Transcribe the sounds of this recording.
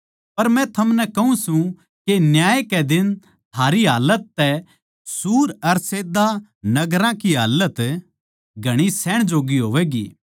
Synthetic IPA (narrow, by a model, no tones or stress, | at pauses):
pɐɾmɛ̃t̪ʰɐmnɛkɐɦũsũ | kenjaːkɛd̪ɪn | t̪ʰaːɾiɦaːlət̪ːɛ | suːɾɐɾseːd̪anɐɡɾãkiɦaːlət̪ | ɡʱɐɽ̃isɛːɽ̃d͡ʒoːɡiɦoːʋɛːɡḭː